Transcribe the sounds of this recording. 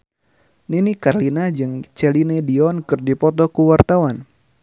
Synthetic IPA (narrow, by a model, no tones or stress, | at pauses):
ninikarlinad͡ʒɨŋt͡ʃɛlinɛdiɔnkɨrdipɔt̪ɔkuwart̪awan